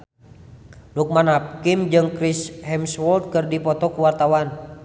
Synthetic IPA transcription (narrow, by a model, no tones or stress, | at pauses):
luk̚manap̚kimd͡ʒɨŋkɾishɛmswɔlt̪̚kɨrdipɔt̪ɔkuwart̪awan